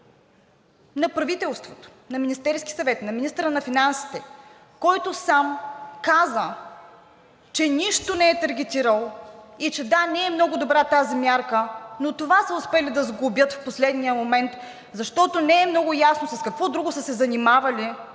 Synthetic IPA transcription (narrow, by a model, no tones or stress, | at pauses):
nɐpɾɐvit̪ɛlˠst̪vot̪o̥nɐminist̪ɛɾski̥sɐvɛt̪nɐminist̪əɾənɐfinansi̥t̪ɛ | kɔjt̪osamkazə | t͡ʃɛniʃt̪onɛɛt̪ɐɾɡʲɛt̪ʲiɾəlˠit͡ʃɛd̪anɛɛmnɔɡʊd̪obɾat̪azimʲjaɾkənot̪ovasəʊspɛlid̪ɐzɡʊbʲjət̪fposlɛd̪nijəmomɛnt̪ | zɐʃt̪ɔt̪onɛːmnɔɡʊjasnosɐskɐkvɔd̪ɾuɡʊsəsɛzɐnimavɐlʲi